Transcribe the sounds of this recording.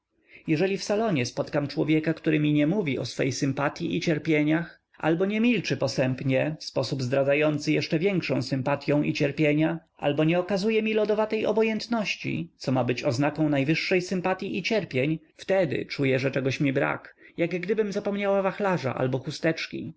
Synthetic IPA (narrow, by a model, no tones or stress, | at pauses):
jɛʐɛlʲifsalɔɲɛspɔt̪kamt͡ʂwɔvʲjɛkakt̪uɾɘmʲiɲɛmuvʲiʔɔsfɛ̰jsɘmpat̪ʲjiʔit͡ɕɛɾpʲjeɲax | ʔa̰lbɔɲɛmʲilt͡ʂɘpɔsɛmpɲɛfspɔsubzd̪ɾad̪zajɔnt̪sɘjɛʂt͡ʂɛvʲjɛŋkʂɔ̃w̃sɘmpat̪ʲjɔ̃w̃ʔḭt͡ɕɛɾpʲjeɲaʔa̰lbɔɲɛɔkazujɛmʲilɔd̪ɔvat̪ɛjɔ̰bɔjɛnt̪nɔɕt͡ɕḭt̪sɔmabɘt͡ɕɔznakɔ̃w̃najvɘʂːɛjsɘmpat̪ʲjiʔit͡ɕɛɾpʲjeɲ | ft̪ɛd̪ɘ̰t͡ʂujɛʐɛt͡ʂɛɡɔɕmʲibɾa̰kjaɡɡd̪ɘbɘmzapɔmɲawavaxlaʐa̰ʔa̰lbɔxust̪ɛt͡ʂkʲḭ